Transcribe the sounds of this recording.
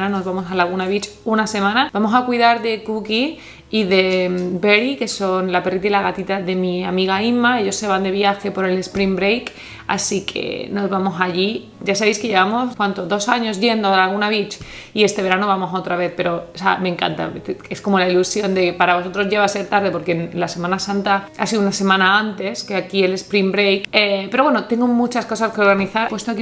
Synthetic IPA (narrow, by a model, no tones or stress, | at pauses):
nano̞zβamo̞salaɣ̞unaβit͡ʃunase̞mãnabamo̞sakwiðaɾðe̞kukiː | ðe̞be̞ɾike̞so̞nlape̞rit̪ilaɣat̪it̪aðe̞miamiɣaimae̞ʎo̞sːe̞β̞and̪e̞β̞jaxe̞po̞ɾe̞le̞spɾimbɾejk | a̰sikʰḛno̞zβamo̞saʎi | ɟ͡ʝas̬aβe̞jskeʎe̞βamo̞skwant̪oðo̞saɲo̞zʝe̞nd̪oalɣunaβit͡ʃ | ie̞st̪e̞βe̞ɾanoβamo̞so̞t̪ɾaβe̞θpe̞ɾo̞samẽŋka̰nt̪a̰t̪esko̞molailusjo̞nd̪e̞paɾaβo̞so̞t̪ɾo̞zʝe̞βaseɾt̪aɾðe̞po̞ɾkenlase̞mãnasãnt̪aa̰siðunase̞mãnaãnt̪e̞skeakiele̞spɾimbɾejkepe̞ɾo̞βwe̞not̪e̞ŋɡomut͡ʃasko̞s̬askeo̞ɾɣaniθaɾpwest̪oke